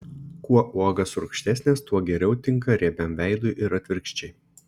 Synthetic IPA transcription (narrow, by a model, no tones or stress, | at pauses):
kuɔʔuɔɡɐsʊɾkʃʲt̪ʲæsʲnʲeːst̪uɔɡʲɛɾʲɛʊt̪ʲɪŋˑkɐɾʲiɛbʲɛmʋʲæɪd̪ʊʔɪɾɐt̪ʲʋʲɪɾʲkʃʲt͡ʃʲɛɪ